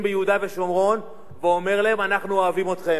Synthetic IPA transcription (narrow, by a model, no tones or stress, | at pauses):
mbejeud̪ave̞ʃomʁo̞n | veome̞ʁlaemanaχnuoavimo̞t̪χe